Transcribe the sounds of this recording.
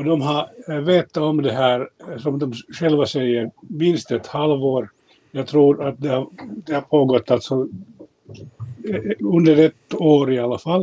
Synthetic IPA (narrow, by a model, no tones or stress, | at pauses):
ɔd̪ɔmɦɑveːt̪ːaɔmd̪ɛɦæːɾsɔmd̪ɔmɧɛlvasɛjːəɾmɪnst̪ɛt̪halvoːɾ | jɑːɡ̚t̪ʰɾuːɾat̪̚d̪ɛhad̪ɛhapʰoːɡɔt̪ːalt̪sɔ | ɵnd̪əɾɛt̪ːoːɾɪalːafalː